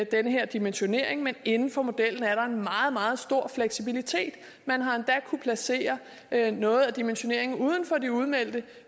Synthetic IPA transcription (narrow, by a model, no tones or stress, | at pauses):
d̥enəɦe̝ɐ̰d̥imenɕo̝ne̝ɐ̰e̝ŋmene̝nn̩fɒ̽mo̝d̥el̰n̩æɐɾ̥ɑ̈e̝nmɑ̈ːð̞̩ˠmɑ̈ːð̞̩ˠsd̥o̝ɐ̰fleɡ̥sib̥ilit͡sʰe̝̰ːd̥ | mænɦɑ̈end̥ækʰupʰlæse̝̰ːɐ | nɔ̽ːð̞̩ˠæd̥imenɕo̝ne̝ɐ̰e̝ŋn̩uːð̞ˠn̩fɒ̽d̥iuð̞ˠmel̰d̥ə